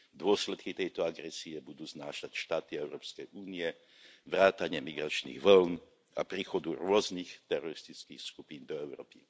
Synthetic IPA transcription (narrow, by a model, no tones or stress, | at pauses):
d̪ʊɔslɛt̪kit̪ɛjt̪ɔaɡɾɛsiɛbud̪uːznaːʃacʃt̪aːt̪iɛʊɾɔːpskɛjʔuːniɛ | ʋɾaːt̪aɲɪɛmiɡɾat͡ʃnḭɣʋɔln | a̰pɾiːxɔd̪uɾʊɔznixt̪ɛɾɔɾist̪it͡skiːxskupiːnd̪ɔɛʊɾɔ̰ːpi